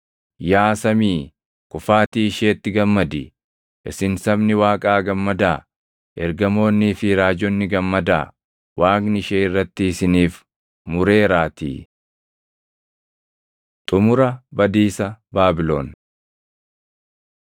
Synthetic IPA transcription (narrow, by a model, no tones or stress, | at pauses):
jaːsɐmiː | kʼʊfaːt̪iːɪʃeːt̪ːɪɡɐmːɐd̪ɪ | ʔɪsɪnsɐbnɪwaːkʼaːɡɐmːɐd̪aː | ʔɛɾɡɐmo̞ːnːiːfɪɾaːd͡ʒɔnːɪɡɐmːɐd̪a̰ː | waːknɪɪʃeːɪrːɐt̪ːɪːsɪniːf | mʊɾe̞ːɾaːt̪ḭː | t̪ʼʊmʊɾɐbɐd̪iːsɐbaːbɪlo̰ːn